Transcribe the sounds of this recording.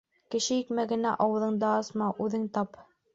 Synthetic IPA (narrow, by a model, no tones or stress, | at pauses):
kɘ̆ʃɘjikmæɡɘ̆næʔɑwɤ̆ðɤɴd̪ɑːsmɑʔʉðɘŋt̪ɑp